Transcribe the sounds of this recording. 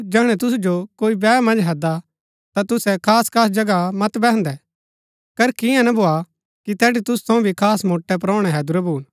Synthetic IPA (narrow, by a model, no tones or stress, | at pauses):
d͡ʒɛːɽ̃ɛt̪ʊs̬d͡ʒokoːibɛːmɐ̃nd͡ʒɦɐd̪a | t̪at̪ʊsɛkʰaːskʰaːs̬d͡ʒɐɡamɐt̪bɛɦnd̪ɛ | kɐɾkɪjɛ̃nɐbʱoːa | kit̪ɛːɽit̪ʊst̪ʰɐ̃ũbʱikʰaːsmoːʈːɛp̬ɾɔːɽ̃ɛɦɛːd̪ʊɾɛbuːn